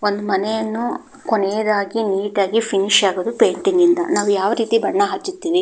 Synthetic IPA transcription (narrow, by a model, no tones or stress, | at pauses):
ond̪umɐnɛjɐnːu | konɛjɐd̪aːɡiniːʈaːɡipʰiniʃaːɡoːd̪upe̞ːɳʈiŋɡind̪ɐ̰naːʋujaːʋɐɾiːt̪ibɐɳːɐɦɐt͡ʃːit̪ːiːʋi